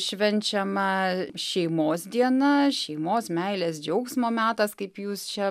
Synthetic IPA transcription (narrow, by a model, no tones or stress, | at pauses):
ʃʲʋʲɛnʲt͡ʃʲɛmɐʃʲɛɪmoːsd̪ʲiɛnɐʃʲɛɪmoːsmʲɛɪlʲeːsd͡ʒʲɛʊksmoːmʲæːt̪ɐskɐɪpjuːst͡ʃʲɛ